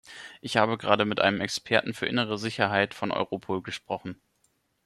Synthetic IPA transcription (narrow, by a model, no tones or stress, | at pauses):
ʔɪçhaːbəɡʁaːdəmɪtʔa̰ɪnəmɛkspʰɛɐtn̩fyːɐʔɪ̰nəʁ̞əzɪçɐɦaɪtfɔnʔɔ̰ʏʁopʰoːlɡəʃpʁ̥ɔχn̩